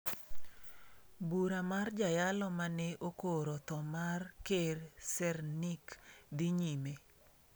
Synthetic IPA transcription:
buɾamard͡ʒajalɔmanɛʔokoɾɔt̪ɔmarkeɾsɛrnikd̪ɪɲime

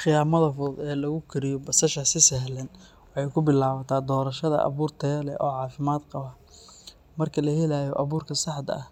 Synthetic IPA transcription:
χɪjaːmɐðɐfʊd̪ɛːlɐɣʊkʰɪɾɪjɔbɐsɐʃɐsɪsɐɦlɐn | wɑħɑjkʰʊbɪlaːβɐt̪ʰaːd̪ɔːɾɐʃɐðɐ̰ʔɐ̰βuːrt̪ʰɐjɐlɛ̰ʔɔːʕɑːfɪmaːd̪qɑβa | mɐrkʰɐlɐhɛlaːjɔ̰ʔɐβuːrkʰɐsɑħd̪ɐ̰ɐh

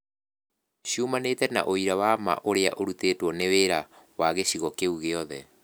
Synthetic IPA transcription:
ɕiumanetɛna̰ʔoiɾawama̰ʔoɾea̰ʔoɾutetwɔneweɾa | waɣeɕiɣɔkeuɣeɔðɛ̰

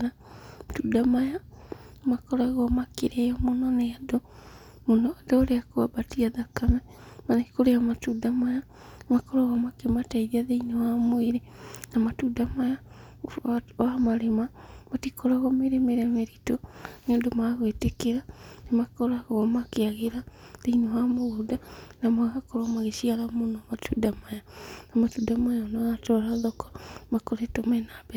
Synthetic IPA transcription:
na | matudamajamakoɾaɣɔmakiɾejomononeado | munoadooɾeakuabatiaðakamemanaki̥koɾejamatudamaja | makoɾaɣamakemataiðiaðeinewamwiɾenamatudamaja | wamaɾemamatikʰoɾaɣomeɾemeɾameɾitonoːndomaɣwetekeɾanemakoɾaɣoɣomakeaɣeɾaðeinowamoɣudanamaɣakoɾomaɣeʃialamonoamatʰudamajanamatudamajaonaɣatoɾaðokɔ̥makoɾetomɛnabe

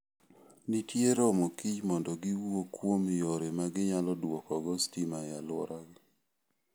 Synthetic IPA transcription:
nitjeɾomokid͡ʒmɔndɔɡɪwokwomɪjoɾemaɡɪɲalɔdwɔkɔɡɔstimajalwɔ̰ɾaɡ

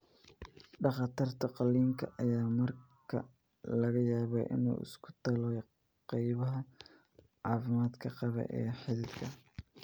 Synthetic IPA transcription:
ɖɑχɑt̪ɪrt̪ʰɐqɑliːŋkʰɐ̰ʔɐjaːmɐrkʰɐ̰ | lɐɣɐjaːβɛ̰ʔɪ̰nṵːʔɪ̰skʰʊ̥t̪ʰɐlɔ | qɑjβɐɦɐ | ʕɑːfɪmaːd̪kʰɐqɑβɛ̰ʔɛ̰ːħɪðɪd̪kʰɐ

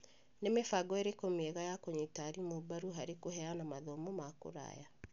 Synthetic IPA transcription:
nemefaɡɔeɾekomeeɣajakoɲitaɾimobaɾuɦaɾekoɦɛanamaðɔmomako̰ɾa̰ja

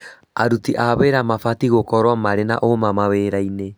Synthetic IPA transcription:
a̰ɾutiʔaβeɾamafatiɣokɔɾwamaɾena̰ʔomamaweɾaine

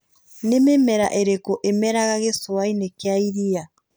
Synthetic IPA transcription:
nememɛɾa̰ʔeɾekoʔemɛɾaɣaɣeswainekeaiɾia

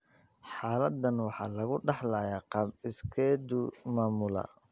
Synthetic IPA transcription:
ħɑːlɐd̪ːɐnwɑħɑ̰ːlɐɣʊɖɑħlaːjaːqɑːbɪskʰɛːd̪ʊmaːmʊlɐ̰

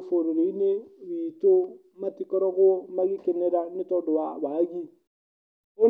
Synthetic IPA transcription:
foɾeɾeineβiːto | matikɔɾɔɣomaɣikeneɾanetɔdowaβaɣi | o

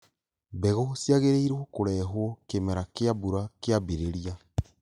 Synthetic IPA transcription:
bɛɣɔsiaɣeɾeiɾwɔkoɾɛːɦwɔkemɛɾakeabuɾakeabeɾeɾia

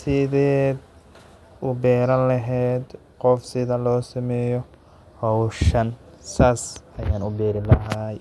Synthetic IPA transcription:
sɪðɛːd̪ | ʊbɛːɾɐnlɐɦɛːd̪ | qɔfsɪðɐlɔːsɐmɛːjɔ | hɔwʃɐnsaːsɐjaːnʊbɛːɾɪlɐɦaj

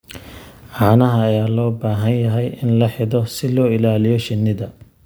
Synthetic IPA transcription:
ʕɑːnɐɦɐːjaːlɔːbaːɦɐnjɐɦɛjɪnlɐħɪðɔsɪlɔːɪlaːlɪjɔʃɪnːɪðɐ

